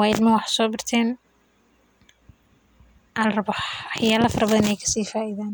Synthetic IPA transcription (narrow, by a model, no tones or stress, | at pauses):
waːjɪlmɐwɑħsɔːbɪrt̪ʰɛːn | ʔɐlrɐβɔħɑjaːlɐfɐɾɐbɐðɐnɛjkʰɐ̥siːfaːʔiðaːn